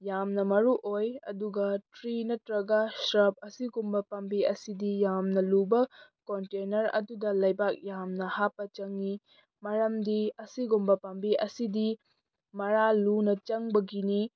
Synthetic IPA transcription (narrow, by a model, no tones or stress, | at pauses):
jamnɐmɐɾuʔojɐ̰duɡɐtɾinɐtɾɐɡɐsɾɐp̚ɐsiɡumbɐpɐmbiɐsidijamnɐlubɐkontenɐɾɐ̰dudɐlɐjbak̚jamnɐhapːɐt͡ʃɐŋi | mɐɾɐmdiɐsiɡumbɐpɐmbiʔɐsidi | mɐɾalunɐt͡ʃɐŋbɐɡini